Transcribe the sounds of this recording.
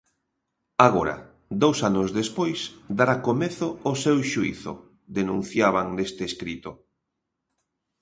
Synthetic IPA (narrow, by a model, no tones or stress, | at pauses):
aɣ̞oɾɐ̰ | d̪owsanʊzðespojsd̪aɾakomeθʊːsewʃuḭθʊ̰ | d̪enũn̟θjaβ̞aŋnest̪eːskɾit̪ʊ